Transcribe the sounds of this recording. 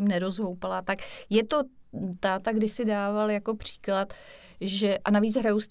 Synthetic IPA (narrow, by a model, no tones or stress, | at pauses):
imnɛɾo̞zɦowpalat̪akjɛt̪o̞t̪aːt̪aɡdɪsɪdaːvaljako̞pr̝̥i̥ːklat̪ | ʒɛʔanaviːt͡sɦɾajuwst̪